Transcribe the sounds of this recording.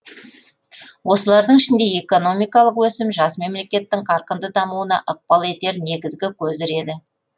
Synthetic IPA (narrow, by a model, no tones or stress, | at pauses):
wʔo̞səlˠɑɾd̪əɴɪʃɪnd̪e̞e̞ko̞no̞mijkɑlˠəqwɵsɪmʒɑsme̞mle̞kʲe̞t̪ːɪŋqʰɑɾqənd̪əd̪ɑmuənɑ̰ʔəq̚pɑlˠe̞t̪e̞ɾne̞ɡʲɪzɡʲɪkʲʰɵzɪɾe̞d̪ɪ